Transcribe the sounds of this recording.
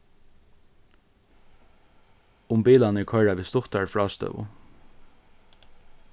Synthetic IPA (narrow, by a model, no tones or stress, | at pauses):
ʊmbiːlanɪɹkʰœɹaʋiːst̪ʊt̪aɹfɹɑːst̪œ̰ːʋʊ̰